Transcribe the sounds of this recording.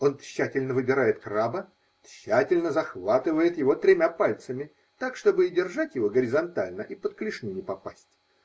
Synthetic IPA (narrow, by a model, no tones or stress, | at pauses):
o̞nɕːætʲɪlʲnəvɨbʲɪɾajɪt̪krabə | ɕːætʲɪlʲnəzɐxvat̪ɨvəjɪt̪jɪvo̞t̪ɾʲɪmʲapalʲt̪səmʲɪ | t̪akʂt̪o̞bɨɪdʲɪrʐatʲjɪvo̞ɡəɾʲɪzɐnt̪alʲnəʔipət̪klʲɪʂnʲinʲɪpɐpasʲtʲ